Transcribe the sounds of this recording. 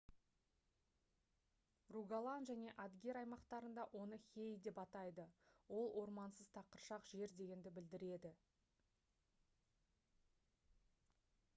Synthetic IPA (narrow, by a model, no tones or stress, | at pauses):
ruɡalˠɑnʒæne̞ʔɑd̪ɡʲe̞ɾɑjmɑqt̪ɑɾənd̪ɑʔwʔo̞nəxʲe̞jd̪e̞pɑt̪ɑjd̪əwo̞lˠwʔo̞ɾmɑnsəz̥t̪ʰɑqəɾʃɑqʒe̞ɾd̪e̞ɡʲe̞nd̪ɪbɪld̪ɪɾe̞d̪ɪ